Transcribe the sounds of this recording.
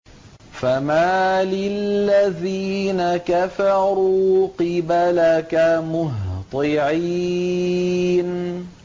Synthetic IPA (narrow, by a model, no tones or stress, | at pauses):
famaːlɪlːaðiːnakafɑɾuːqɪbalakamʊɦt̪ˤɨʕi | n